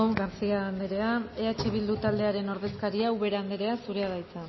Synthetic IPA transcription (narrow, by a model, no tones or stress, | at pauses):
oɡaɾsiaːnd̪eɾe̞ae̞at͡ʃe̞β̞ild̪ut̪ald̪e̞aɾe̞no̞ɾðe̞skaɾiauβe̞ɾand̪eɾe̞asuɾe̞aðajt͡sa